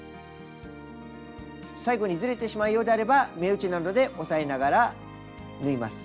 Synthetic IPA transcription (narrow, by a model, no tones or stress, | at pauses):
saiɡo̞ɲ̟izɨɾe̞t̪e̞ɕimaijo̞ːd̪e̞aɾe̞bame̞ɯ̟t͡ɕinand̪o̞d̪e̞ʔo̞sae̞naɡaɾa | nɯ̟imasɨ̥